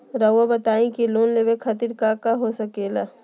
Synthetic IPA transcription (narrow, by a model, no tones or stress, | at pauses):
ɾɐwabɐt̪aːĩkiloːnleːbekʰɐt̪iɾkaːkaɦosɐkeːla